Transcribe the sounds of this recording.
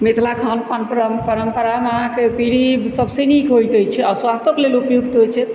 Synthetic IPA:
mit̪ʰlakʰanpanpəɾəmpəɾəmpəɾamaɦãkepiɾibsəbʱsenikɦojt̪əjt͡ʃʰɛaɾswast̪okelelupjuɡt̪ɦojt͡ʃʰɛ

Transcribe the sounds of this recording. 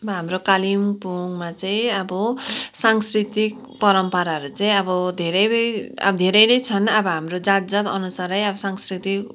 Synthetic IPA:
bʌɦamrokalimpoŋmat͡saĩʌbʌsaŋskɾit̪ik | pʌɾʌmpʌɾaɦʌɾut͡saĩʌbʌd̪ʱeɾʌjʌ̰bʌd̪ʱeɾʌjnʌjt͡sʰʌnʌbʌɦamrod͡zad͡zʌt̪ʌ̰nusaɾʌjʌbʌsaŋskɾit̪ik

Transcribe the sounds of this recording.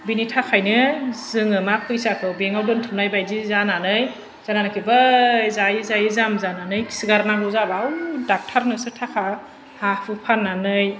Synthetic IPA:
binitʰakʰajnɯzɯŋɯmapʰɯjsakʰɯbeŋawdɯntʰɯmnajbajdizananɯj | z̥ananɯkʰibajzajizajizamzananɯjkʰi̥siɡaɾnaɡɯzabawdak̚tʰaɾnɯsɯtʰakʰa | hahʰɯpʰanːanɯj

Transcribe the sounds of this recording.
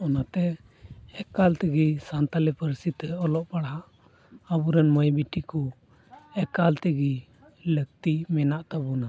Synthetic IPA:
ɔnat̪ɛ | ɛkalt̪ɛɡisant̪alɛpəɾsit̪ɛɔlɔʔpaɽɦa | abuɾɛnmɔjbiʈikɔ | ɛkalt̪ɛɡi | lək̚t̪imɛnaʔt̪abuna

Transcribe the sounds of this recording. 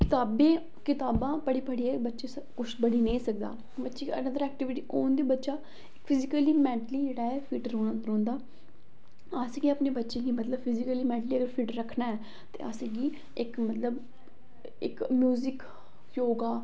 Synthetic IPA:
kɪt̪aːbẽː | kɪt̪aːbãːpəɽiːpəɽiːɛːbətːʃeːsəkʊt͡ʃʰbəɽiːnẽiːsək̚d̪a̰ː | bətːʃeːənə̃d̪əɾɛːk̚ʈɪʋɪʈiːʔoːnd̪iːbətːʃaː | ɪkpʰɪzɪkəliːmɛ̃ːɳʈliːd͡ʒeːɽaːɛːpʰiːʈɾõːɽaːɾõːnd̪aː | asɡiːaːpneːbətːʃẽːɡiːmət̪ləbpʰɪzɪkəliːmɛ̃ːɳʈliːəɡəɾpʰiːʈɾəkʰnaːɛː | t̪ḛːa̰ːsɡiː | ɪkmət̪ləb | ɪ̰kmjuːzɪk | joːɡaː

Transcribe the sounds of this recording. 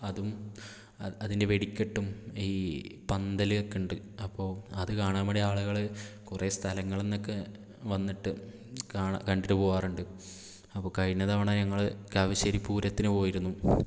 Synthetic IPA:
ɐðum | ɐðinde̞ʋe̞ɽikʲːeʈːumiːpɐnd̪ɐliekːiɳɖɨ | ɐpːo̞ːɐðɨkaːɳaːmɐɽeaːɭuɣɐɭkurest̪ʰɐlɐŋːɐɭe̞nːo̞kːe | ʋɐnːiʈːɨ | kaːɳkɐɳɖiɾɐpoːʋaːruɳɖɨ | ɐpːoːkɐɻinɐðaːʋɐɳaːɲɐŋːɐɭkaːʋiɕɐɾipːuːɾɐt̪ːinɨpo̞ːjiɾunːu

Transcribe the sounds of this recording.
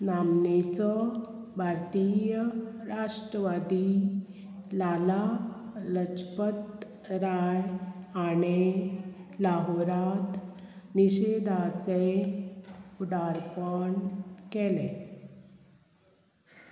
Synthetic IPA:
nanːet͡sɔ | bʱaɾt̪ijəɾaʂʈɾəʋad̪i | lalalət͡ɕpət̪ | ɾajañe | laɦoɾat̪ | niɕed̪ʱat͡se | uɖaɾpəɳkele

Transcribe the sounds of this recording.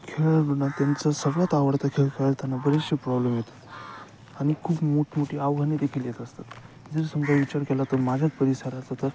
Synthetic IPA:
kʰeɭəbənat̪jant͡səsəɡɭjat̪aʋəɽt̪akʰeɭkʰaɭlt̪janːabəɾit͡ɕəpɾɔbləmjet̪ə̥ | aɽ̃ikʰuːpmoʈmoʈiːaʋɡʱənid̪ekʰiljet̪əst̪at̪ | d͡zəɾsəŋɡaʋit͡ɕaɾkɛlat̪əmad͡ʑʱat͡spəɾisaɾat͡sat̪əɾ

